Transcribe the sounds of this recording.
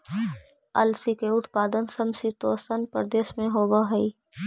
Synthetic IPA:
ɐ̰lsikeʊt̪paːd̪ənsɐmsit̪oːsənpəɾd̪eːʃmẽɦoːbaɦɐi

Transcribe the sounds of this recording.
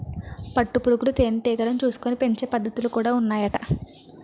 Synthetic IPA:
pɐʈːupuɾukulut̪eːniʈiːɡɐɾɐnt͡ʃuːsu̥koːnipe̞ɲt͡ʃeːpɐd̪ːɐt̪ulukuːɽaːunːaːjɐʈɐ

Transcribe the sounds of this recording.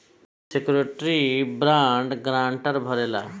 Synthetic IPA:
sekɾeʈɾibɾaɳɖɡɾãɳʈəɾbʱɔɾela̰

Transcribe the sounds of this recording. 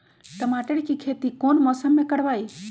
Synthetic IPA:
t̪əmaːʈəɽkikʰeːt̪ikoːnmɔːsəmːẽkəɽʋaːi

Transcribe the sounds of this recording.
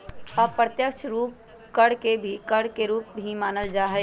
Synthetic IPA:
ɐpɾət̪jəkt͡ʃʰɾuːp̚ | kəɽkebʱikəɽkeɾuːp̚bʱimaːnəld͡ʒaːɦɛː

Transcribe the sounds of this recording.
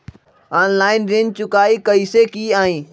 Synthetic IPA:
aːnlaːɪnɾẽːnt͡ɕʊkaːikɐisekiːaːĩː

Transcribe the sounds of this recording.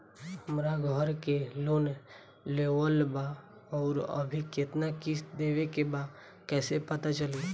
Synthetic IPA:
həmɾaɡʱəɾkeloːn | leʋəlba | ɔːɾə̰bʱiket̪nakisd̪eːʋekeba | kɛːsepət̪at͡ʃəli

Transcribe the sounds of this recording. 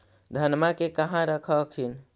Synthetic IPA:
d̪ʱənmakekəɦãɾəkʰəkʰin

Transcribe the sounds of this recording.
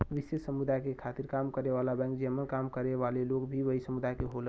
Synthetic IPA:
ʋisessəmud̪ajkekʰat̪iɾkamkəɾeʋalabɛ̃ŋkd͡ʒəmənkamkəɾeʋalelokbʱiʋəɦisəmud̪ʱajkeɦolə

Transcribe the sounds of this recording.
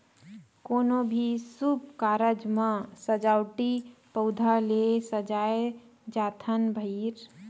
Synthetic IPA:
koːnobʱisub̚kaːɾəd͡ʒmãsəd͡ʒaʊʈipəʊd̪ʱalesəd͡ʒaːe | d͡ʒaːt̪ʰənbʱəiɾ

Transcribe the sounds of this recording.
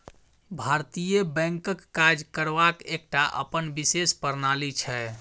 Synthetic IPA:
bʱaɾt̪ijəbɛ̃ŋkəkːad͡ʒkəɾbakek̚ʈaʔə̰pənbisespəɾnalit͡ʃʰɛ

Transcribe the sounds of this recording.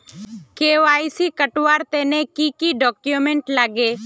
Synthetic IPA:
keːʋaːisikəʈʋaːɾt̪eːnẽkikiɖɔːkjumẽɳʈlaːɡeː

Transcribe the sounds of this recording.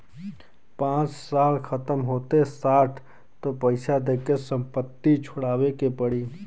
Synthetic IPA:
pãːt͡ʃsaːlkʰət̪əmɦoːt̪esaːʈʰ | t̪opəɪsad̪eːkesə̃mpət̪ːit͡ʃʰʊɽaːʋekepəɽiː

